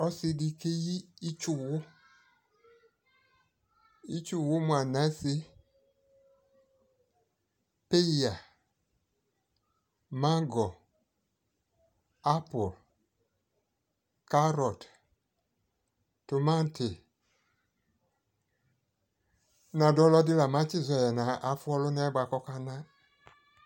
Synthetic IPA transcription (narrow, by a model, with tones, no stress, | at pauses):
ɔ˦si˨di˦ke˦jiː˦t͡ʃʊ˨wʊ˦ | i˦t͡ʃu˨wʊ˦mwa˨na˦se˦ | pe˦a˨ | ma˦ɡɔ˨ | a˦pɔ˨l | ka˦ɾɔ˨t | to˨mã˦n˦te˨ | nã˨dɔ˦lɔ˦di˦la˨mã˦t͡ʃi˦˨zɔ˨jɛ˨nã˨˦ʔa˨˦fu˦ɔ˦lo˦nɛ˦ba˨kɔ˦ka˦nã˦